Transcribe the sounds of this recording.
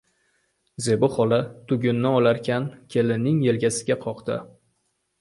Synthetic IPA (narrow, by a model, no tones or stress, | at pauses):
ze̞bʊχɒlat̪ʰʊɡʲʊnːɪɒlaɾkʲʰankʲʰe̞lɪnɪŋje̞lɡʲasɪɡʲaqʰɒqd̪ɪ̰